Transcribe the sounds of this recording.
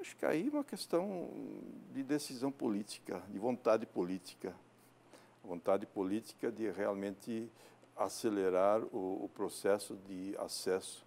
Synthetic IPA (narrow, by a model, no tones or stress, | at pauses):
aʃʊ̥kɪa̰iũmɐkest̪ɐ̃w̃ | d̪ɪd̪esizɐ̃w̃polit̪i̥kɐd̪ɪvõnt̪ad̪ɪpolit̪i̥kɐ | võnt̪ad̪ɪpolit̪i̥kɐd̪ɪʁealmẽnt̪ɪ | aseleɾaɾʊ̰ːpɾosɛsʊd̪ɪa̰sɛsʊ̥